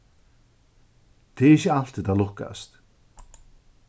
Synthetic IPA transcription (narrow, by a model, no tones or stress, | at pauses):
t̪ʰɪɪçɪal̥t̪ɪt̪aðlʊhka̰st̪